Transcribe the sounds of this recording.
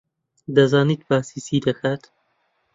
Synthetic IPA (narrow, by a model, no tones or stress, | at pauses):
d̪ɐzaːniːt̪̚baːsiːsiːd̪ɐkʰaːt̪